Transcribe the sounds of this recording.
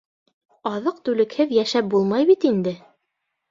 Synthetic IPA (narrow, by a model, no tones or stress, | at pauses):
ɑðɤqt̪ʉlɘ̆khɘðjæʃæp̚bulˠmɑjbit̪ind̪ɘ